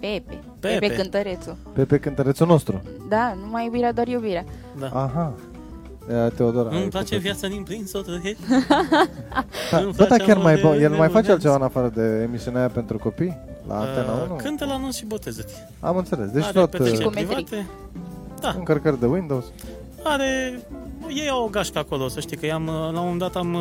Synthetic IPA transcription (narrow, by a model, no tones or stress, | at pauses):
pepe | pepekɨnt̪əɾet̪supepekɨnt̪əɾet̪suno̞st̪ɾṵd̪anumajubiɾead̪oarjubiɾea | d̪aaɦa | t̪eod̪oɾaplat͡ʃevjat̪sənĩmplinsot̪əe | d̪abəakʲarmajbojelmajfat͡ʃealt̪t͡ʃe̞vaɨnafaɾəd̪e̞ːmisiuneajape̞nt̪ɾuko̞pijlʔa̰ːnt̪enaunukʰɨnt̪əlanunsʃibo̞t̪e̞zət̪i | a̰mɨnt̪se̞le̞sd̪et͡ʃ̪ot̪omeivait̪e | d̪aɨŋkərkəɾd̪e̞wind̪o̞wz̥ | aɾe | jejawoɡaʃkəako̞losəʃt̪ikəjamlaund̪at̪am